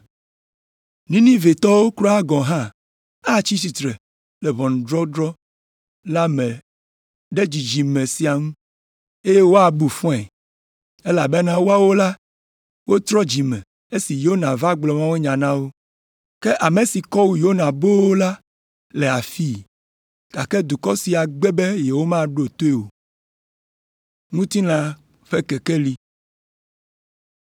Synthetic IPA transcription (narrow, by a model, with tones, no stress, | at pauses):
nĩ˦nĩ˦ve˨t̪ɔ˦wo˦klɔ˦a˦ɡɔ̃˨ɦã˦ | a˦t͡ɕi˦si˨t̪ɾɛ˨ | le˨βɔ˨ñ˨dɾɔ˦dɾɔ˦ | la˦mẽ˨ | ɖe˦d͡ʑi˨d͡ʑi˨mẽ˨si˨a˨ŋũ˦ | e˦je˦wo˦a˨bu˨fɔ̃˦ɛ˨ | e˦la˨be˦nã˦wo˦a˦wo˦la˦ | wo˦t̪ɾɔ˦d͡ʑi˨mɛ̃˨ | e˦si˨jo˦nã˨va˦ɡ͡blɔ˨mã˦we˦ɲã˨nã˦wo˦ | ke˦ʔa˨me˨si˨kɔ˦wu˦jo˦nã˨bo˦wo˦la˦ | le˨a˨fi˦˨ | ɡ̥a˨kɛ˦d̪u˨kɔ˦si˨a˨ɡ͡be˦be˦je˨wo˦mã˦ɖo˨t̪o˦e˦˨wo˨ | ŋũ˦t̪i˦lã˨ | ɸɛ˦kɛ˨kɛ˦li˦